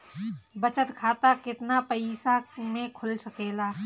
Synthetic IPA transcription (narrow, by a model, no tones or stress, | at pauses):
bɐt͡ʃət̪kʰaːt̪akɪt̪napɐɪsamẽkʰʊlsɐkeːlaː